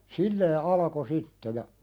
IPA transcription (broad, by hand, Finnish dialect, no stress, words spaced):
silːeː ɑlɑko sitːe jɑ